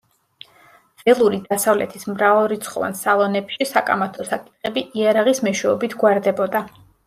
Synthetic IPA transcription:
d̪z̥ɛlˠuɾid̪asavlɛ̰t̪ʰismɾavalˠɾit̪sʰχɔ̰va̰nsalˠɔnɛpʃisakʼa̰mat̪ʰɔsakʼi̥t̪̚ʰʼχɛbiʔiaɾaʁismɛʃwɛɔbit̪ʰɡwaɾd̪ɛbɔd̪a

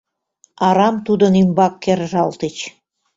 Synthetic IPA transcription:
ɑɾɑmt̪ud̪ə̆nimbɑkːerʒɑlt̪et͡ɕ

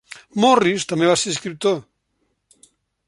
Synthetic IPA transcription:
morist̪ameβaseɾiskɾip̚t̪o

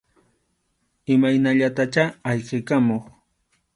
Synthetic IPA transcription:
ɪmajnaʎat̪at͡ʃaːʎqekamoχ

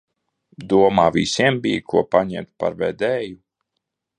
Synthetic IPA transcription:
d̪uɔmaːvḭsiɛmbijkʰuɔpaɲɛmt̪pa̰ɾvɛd̪ɛːju

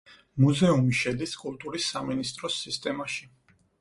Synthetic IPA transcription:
muzɛumiʃɛd̪iskʼulˠt̪ʼuɾisːaminist̪ʼɾɔsːist̪ʼɛmaʃi

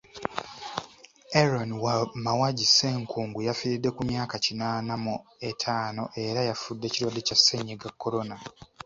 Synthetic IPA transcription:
eɾonwamawaɟise̞ːŋkʰuːŋɡujafiɾidːe̞kumjaːkacinaːnamue̞tʰaːno̞ʔe̞ɾajafudːe̞ciɾwadːe̞casːeɲːeɡakːo̞ɾo̞na

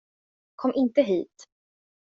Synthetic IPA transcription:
kʰɔmːʔɪnt̪əɦiːt̪

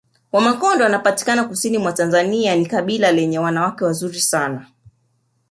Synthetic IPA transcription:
wamakɔndɔanapati̥kanakusinimwatanzanianikaɓilalɛɲɛwanawakɛwazuɾisana

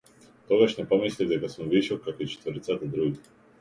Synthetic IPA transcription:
t̪ɔɡaʃnɛpɔmislivd̪ɛkasumviʃɔlkakɔit͡ʃɛ̥t̪vɔɾit̪sat̪ad̪ɾuɡi

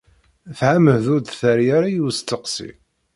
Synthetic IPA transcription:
θʕaməhðʊɾd̪θæɾjaɾajust̪ːəqsḭ

